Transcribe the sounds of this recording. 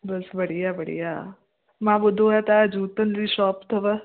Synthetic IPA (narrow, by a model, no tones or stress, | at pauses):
bɐsʋɐɽijabɐɽḭjaː | mãːbʊd̪ʱõɛt̪aːd͡ʒuːt̪ənziːʃɔːpt̪ʰɐʋə